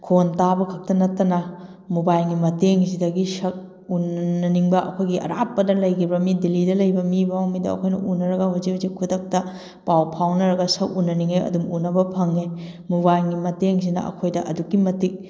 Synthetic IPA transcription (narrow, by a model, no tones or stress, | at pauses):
kʰontabɐkʰɐk̚tɐnɐtːɐnɐ | mubajŋɡimɐteŋsidɐɡisɐk̚ | unːɐniŋbɐʔɐ̰kʰojɡiɐ̰ɾapːɐdɐlɐjɡibɐmidilidɐlɐjbɐmibawmidɐɐ̰kʰojnɐ̰ʔunɐɾɐɡɐɦuzihuzikʰːudɐk̚tɐ | pawpʰawnɐɾɐɡɐsɐk̚unːɐniŋeɐ̰dumunɐbɐpʰɐŋe | muβajɡimɐteŋs̬inɐ̰ʔɐ̰kʰojdɐʔɐ̰dukːimɐtik̚